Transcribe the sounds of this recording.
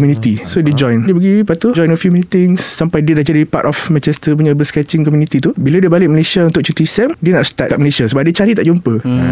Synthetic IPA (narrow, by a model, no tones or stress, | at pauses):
ɔmjunĩt̪isodid͡ʒɔ̃jndiəp̬əɡipat̪ud͡ʒɔ̃jnəfjumit̪ɪŋsːampajdiədaʔd͡ʒadiipatɔfmɛ̃nt͡ʃɛst̪əp̬uɲabəskɛt͡ʃɪŋkɔmjunit̪it̪ubiladiəbalɪk̚məlesiaunt̪ʊk̚t͡ʃut̪isɛmdiənaʔst̪at̚kaʔməlesasəbap̚diət͡ʃaɾit̪aʔd͡ʒumpə